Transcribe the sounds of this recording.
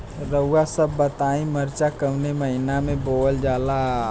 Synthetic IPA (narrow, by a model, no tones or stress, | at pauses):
ɾəuasəbːət̪aĩməɾt͡ʃakəwneməɦinameboəld͡ʒala